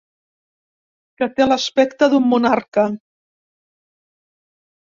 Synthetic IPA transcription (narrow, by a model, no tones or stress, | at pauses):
kət̪eləspɛkt̪əðumːunaɾkə